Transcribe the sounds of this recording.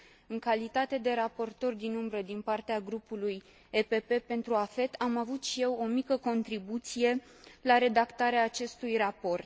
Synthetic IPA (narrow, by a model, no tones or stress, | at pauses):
ɨŋkalit̪at̪e̞d̪e̞ɾapo̞rt̪o̞rʲd̪inumbɾəd̪inpart̪eaɡɾupuluj | epe̞pe̞pe̞nt̪ɾuafe̞t̪ʰamavut̪ʃije̞wo̞mikəko̞nt̪ɾibut̪sije̞ | laɾe̞d̪akt̪aɾeaːt͡ʃe̞st̪ujrapo̞rt̪